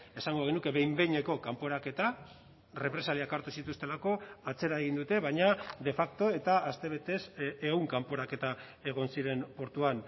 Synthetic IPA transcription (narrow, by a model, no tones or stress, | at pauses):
e̞saŋɡo̞ɣenuke̞βe̞jmbe̞jɲe̞ko̞kampo̞ɾake̞t̪a | re̞pɾe̞saliakaɾt̪usit̪ust̪e̞lako̞at͡se̞ɾaeɣ̞ind̪ut̪e̞βaɲad̪e̞fakt̪o̞e̞t̪aːst̪e̞βe̞t̪e̞seuŋkampo̞ɾake̞t̪a | e̞ɣ̞o̞nsiɾe̞mpo̞ɾt̪uan